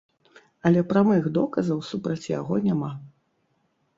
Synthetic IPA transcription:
ɐlʲɛpɾamɨɣd̪ɔkɐzɐwsupɾɐt͡sʲja̰ɣɔnʲama

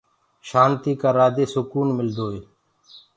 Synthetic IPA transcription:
ʃaːnt̪iːkaːɾaːd̪eːsʊkuːnmɪld̪ʱoːeː

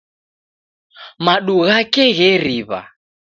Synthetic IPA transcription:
maɗuɣakɛɣɛɾiβa̰

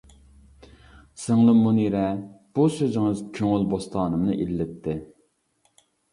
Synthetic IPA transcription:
sɨŋlˠɨmuniɾɛb̥usøzɪŋɨzkʲʰøŋylbost̪ʰɑːnɨmnɨʔilːɪt̪ʰːɪ

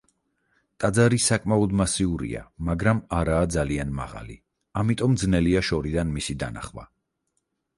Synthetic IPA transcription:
t̪ʼad̪zaɾisakʼmaɔd̪masiuɾḭa̰maɡɾamaɾaːd̪zalianma̰ʁa̰lḭ | amit̪ʼɔmd̪znɛliaʃɔɾid̪anmisid̪a̰na̰χwa̰

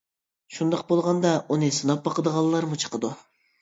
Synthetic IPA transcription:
ʃund̪ɑq̚bolˠʁɑnd̪ɑunɨsɨnɑp̚bɑqəd̪əʁɑlˠːɑɾmut͡ʃʰə̥qəd̪u

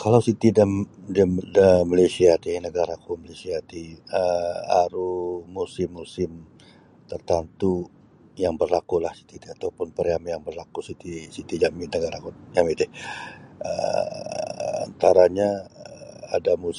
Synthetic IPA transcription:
kʰalawsit̪idəmdəmdəmalesiat̪inəɡaɾakumalesiat̪iəa̰ɾumusɪmːusɪm | t̪ərt̪ant̪u | jaŋbərlakulahsi̥t̪it̪ɛhat̪awpʊnpəɾjamijaŋbərlakusit̪isit̪id͡ʒaminəɡaɾakujamit̪ɪh | ə̰ | a̰nt̪aɾaɲa | a̰damus

